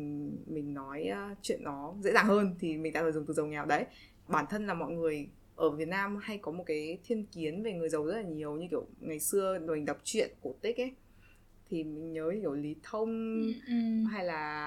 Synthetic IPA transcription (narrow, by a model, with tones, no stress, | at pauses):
mï˨˩ŋ̟nɔ˨˦jt͡ɕwḭ˧˨ənːɔ˨˦zḛ˧˥zaː˨˩ŋhəː˧nt̪ʰi˨˩mi˨˩ŋ̟ɗa̰ː˧˥əː˧˩zʊ˨˩ŋ͡mt̪ɨ˨˩zə˨˩wŋɛ˨˩wɗə˨˦j | ɓaː˧˩nt̪ʰə˧nlaː˨˩mɔ̰˧˨jŋɨ˨˩əj | ʔəː˧˩vi˨˩ət̚naː˧mha˧jkɔ˨˦mo˨˩t̚kaː˨˦jt̪ʰi˧ənki˨˦ənve˨˩ŋɨ˨˩əjzə˨˩wzə˦˥t̚laː˨˩ɲi˨˩əwɲɨ˧ki˧˩əwŋa˨˩jsɨ˧əɗo˨˩ha˨˩ŋ̟tə˨˩wp̚t͡ɕwḭ˧˨ənku˧˩t̪i˦˥k̚ʔa˦ | t̪ʰi˨˩mï˨˩ŋ̟ɲəː˨˦ɲ˧ki˧˩wli˨˦t̪ʰə˧wŋ͡m | ɦa˧jlaː˨˩